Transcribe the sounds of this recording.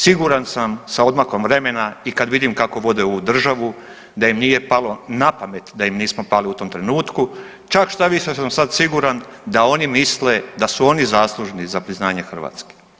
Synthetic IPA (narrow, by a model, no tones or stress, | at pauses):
siɡuɾansamsao̞d̪mako̞mʋɾe̞me̞naikad̪ʋid̪imkako̞ʋo̞d̪eoud̪r̩ʒaʋu | d̪ajimniːje̞palo̞napame̞t̪d̪ajimniːsmo̞paliut̪o̞mt̪ɾe̞nuːt̪ku | t͡ʃakʃt̪aʋiʃesamsad̪siɡuɾand̪ao̞nimisle̞d̪asuo̞nizaːslˠuʒenizapɾiznaːɲexr̩ʋa̰ːt̪ske̥